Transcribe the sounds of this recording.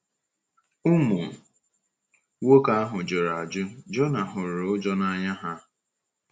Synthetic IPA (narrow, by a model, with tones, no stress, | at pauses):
ʊ˦mu˨ | wo˦ka˦a˦ɦʊ˨d͡ʒo˨ɾa˨a˨d͡ʒʊ˦d͡ʒɔ˦na˨ɦʊ˨ɾʊ˦d͡ʒɔ˦na˨ɲa˦ɦa˦